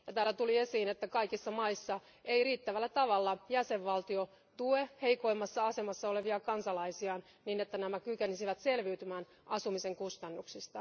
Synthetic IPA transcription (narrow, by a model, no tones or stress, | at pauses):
jɑt̪æːlæt̪ulie̞siːnet̪ːækɑikisːɑmɑisːɑ | e̞iriːt̪ːæʋælːæt̪ɑʋɑlːɑjæse̞ʋʋɑlt̪io̞ | t̪ueheijko̞imːɑsːɑɑse̞mɑsːɑo̞le̞ʋiɑkɑnsɑlɑisiɑːn | niːnet̪ːænæmækykenisiʋæt̪se̞lʋiyt̪ymæːn | ɑsumise̞ŋkust̪ɑnːuksist̪ɑ